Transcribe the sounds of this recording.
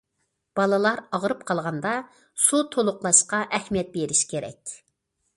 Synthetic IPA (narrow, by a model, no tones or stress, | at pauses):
b̥ɑlˠɨlˠɑɾɑʁəɾɨp̚qʰɑlˠʁɑnd̪ɑ | sut̪ʰolˠʊqlˠɑʃqɑʔɛhmijɛt̪̚beɾiʃkʲeɾɛ̰kʲ